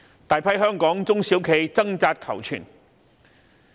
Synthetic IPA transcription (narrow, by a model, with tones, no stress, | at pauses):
t̪aː˨jpʰɐ˥jɦœː˥ŋkɔː˨˥ŋt͡sʊ˥ŋsiː˨˥wkʰe˨˧jt͡sɐ˥ŋt͡saː˧t̚kʰɐ˨˩wt͡ʃʰy̰ː˨˩n